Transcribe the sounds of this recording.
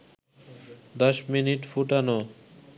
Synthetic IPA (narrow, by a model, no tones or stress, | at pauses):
d̪ɔʃminiʈfuʈanɔ